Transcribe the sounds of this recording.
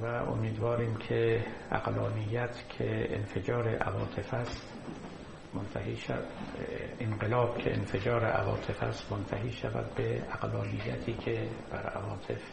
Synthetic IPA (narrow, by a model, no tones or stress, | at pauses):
væʔo̰miːd̪vɒːɾiːmkʲʰeæ̰ɡ̥lɒːnijːæt̪ʰkʰeḛnfed͡ʒɒːɾeʔævɒːt̪ʰe̞fæst̪ | mont̪ʰæhiːʃæ | enɢelɒːb̥kʰeenfe̞d͡ʒɒːɾḛʔæ̰vɒ̰ːt̪ʰe̞fæst̪mont̪ʰæɦiːʃævæ̰d̪̚beæɡlɒːnijːæt̪ʰiːkʰeb̥æɾæ̰vɒːt̪ʰe̞f